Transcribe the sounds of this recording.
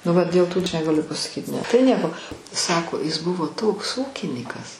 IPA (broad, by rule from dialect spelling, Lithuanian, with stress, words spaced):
nʊ ˈʋɐ dʲeːlˠ ˈtuː ˈɐʃ nʲɛɡɐˈlʲʊ pɐsɐˈkʲiːt ˈnʲɛ tɐɪ ˈnʲiɛkoː ˈsɑːkoː ɪs ˈbʊʋoː ˈtoːks ˈuːkʲɪnʲiːkɐs